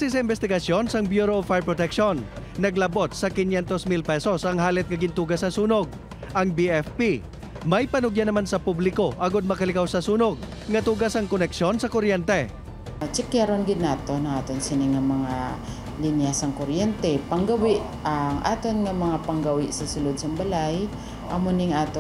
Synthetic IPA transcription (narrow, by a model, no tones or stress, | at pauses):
ksɪsɐʔɪmbɛst̪ɪɡɐsjonsɐŋbjuːɾoːfajɹpɹot̪ɛkʃonːɐɡlɐbot̪̚sɐkɪnjɛnt̪osmilpɛsosɐŋhaːlɛt̪̚ŋɐɡɪnt̪uːɡɐsɐsuːnoɡ̚ | ʔɐŋbiʔɛfpi | mɐjpɐnʊɡjanɐmansɐpublɪko̞ʔɐɡod̪̚mɐkɐlɪkawsɐsuːnoɡ̚ | ŋɐt̪uːɡɐsɐŋkonɛkʃo̞nsɐkoɾjɛnt̪ɛ | t͡ʃɪkjaɾonɡɪd̪̚naːt̪onɐŋaːt̪onsɪnɪŋːɐmɐŋa | linjasɐŋkoɾjɛnt̪ɛpɐŋɡɐwɪʔ | ɐŋʔa̰ːt̪onŋɐmɐŋapɐŋɡɐwɪʔsɐsʊlod̪̚sɐŋbɐlaj | ʔɐmonɪŋaːt̪o